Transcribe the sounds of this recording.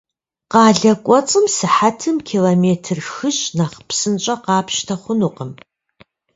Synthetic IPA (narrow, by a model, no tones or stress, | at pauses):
qɑːɮɐkʷʼɔt͡sʼɨmsɨħatʰɨmkʰiːloːmeːtʰɨrxɨɕnaχpsɨnt͡ʃʼɐqɑːpʰʃtʰɐχʷʊnuqəm